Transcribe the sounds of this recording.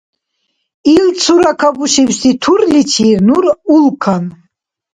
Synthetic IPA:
ilt͡sʰuɾakʰabuʃiɥst̪itʰurlitʰirnurulkʰan

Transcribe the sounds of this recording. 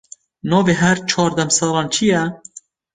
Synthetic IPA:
noːveːɦɛɾt͡ʃʰɑːɾd̪ɛmsɑːlɑːnt͡ʃʰijɛ

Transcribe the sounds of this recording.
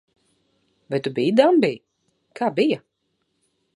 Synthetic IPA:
vajt̪ubijd̪ambij | kaːbija

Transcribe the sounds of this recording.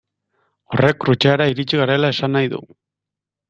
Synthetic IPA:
o̞rekrut͡ʃeaɾaiɾit͡ʃiɣaɾelae̞sanːajðṵ

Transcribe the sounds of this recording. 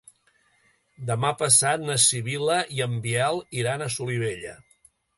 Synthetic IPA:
d̪əmapəsat̪̚nəsiβiləiəmbiɛalˠiɾanəsuliβ̞eʎə̰

